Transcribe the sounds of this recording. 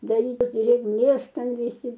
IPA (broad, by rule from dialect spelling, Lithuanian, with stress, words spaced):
dɐˈrʲiːt dʲrʲeːɡˈmʲeːs ˈtʲɛn ʋʲɪˈsʲɪ